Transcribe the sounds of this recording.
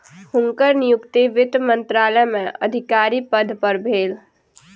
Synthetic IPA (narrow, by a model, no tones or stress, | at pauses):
hʊ̃ŋkəɾnɪjʊkt̪eʋɪt̪mə̃nt̪ɾaːləjmẽʔə̰d̪ʱɪkaːɾipəd̪ʱpəɾbʱeːl